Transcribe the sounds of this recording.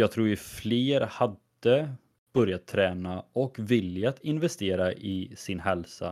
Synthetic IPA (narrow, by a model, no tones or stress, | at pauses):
jɑːɡ̚t̪ʰɾuːɾjɵfleːɾhad̪ə | b̥œɾjat̪ʰːɾɛːnaɔkvɪljat̪ɪnvɛst̪eːɾaʔɪsɪnɦɛlsa̰